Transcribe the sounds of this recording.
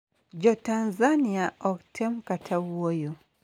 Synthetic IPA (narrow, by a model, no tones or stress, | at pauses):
ɟotanzaniaoktʰemukatʰawojo